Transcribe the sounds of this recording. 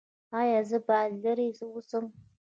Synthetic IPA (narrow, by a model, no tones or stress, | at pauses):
ajazɨbaːɮɨɾisɨwʊsɨm